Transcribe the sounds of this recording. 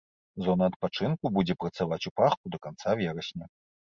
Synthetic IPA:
zɔnɐːt̪̚pat͡ʂɨnkubud͡zʲɛpɾɐt̪savat͡sʲupaxkud̪ɐkant̪savʲɛɾɐsʲnʲɐ

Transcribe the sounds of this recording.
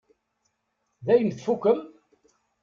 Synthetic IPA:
ðæjəmθfukːəm

